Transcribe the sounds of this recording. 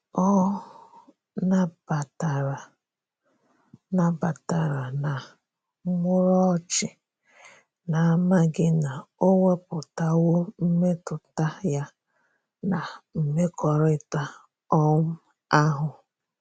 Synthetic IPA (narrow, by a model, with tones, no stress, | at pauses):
ɔ˦ | na˦b̥a˨ta˨ɾa˨ | na˨ba˨ta˨ɾa˨na˨˦ | ŋʷʊ˦ɾɔ˦t͡ʃɪ˨ | na˨a˦˨ma˦ɡɪ˦na˨o˦ŋʷe˦pʊ˨ta˦wo˦m̩˦me˦tʊ˨ta˦ja˦ | na˨m̩˨me˦kɔ˨ɾɪ˦ta˦ | ɔ˦ŋ̩˦ | a˦ɦʊ˨